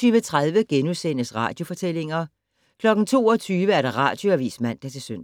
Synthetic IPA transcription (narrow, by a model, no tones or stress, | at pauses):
yːʋət͡sʰʁað̞ˠʋəɡ̥enusen̰əsʁɑ̰̈ːd̥jo̝fɒ̽t͡sʰel̰e̝ŋɐ | kʰlɒ̽ɡ̥n̩t͡sʰo̝̰ːɒ̽t͡sʰyːʋəæɐɾ̥ɑ̈ʁɑ̰̈ːd̥jo̝æɐʋḭːsmæn̰d̥ɑt͡sʰe̝søn̰